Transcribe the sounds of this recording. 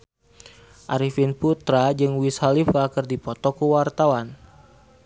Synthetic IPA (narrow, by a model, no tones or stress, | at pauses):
ʔaɾifinput̪ɾad͡ʒɨŋwishalifakɨrdipɔt̪ɔkuwart̪awan